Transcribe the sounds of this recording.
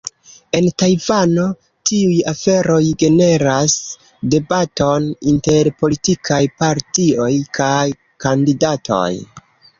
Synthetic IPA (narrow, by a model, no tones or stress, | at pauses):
e̞ntajvano̞ | tiujafe̞ɾo̞jɡe̞ne̞ɾas | de̞bato̞ninte̞ɾpo̞litikʰajpaɾtio̞jkʰaj | kandidatʰo̞̰j